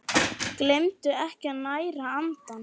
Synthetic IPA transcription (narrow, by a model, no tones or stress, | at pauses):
klemt̪ʏɛhcaðnaːjɾaant̪an